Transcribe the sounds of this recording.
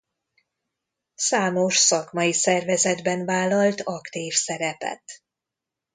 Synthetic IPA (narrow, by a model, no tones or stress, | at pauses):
saːmo̞ʃsɒkmɒjisɛrvɛzɛd̪bɛnvaːlːɒlt̪ɒkt̪iːfsɛɾɛpɛ̰t̪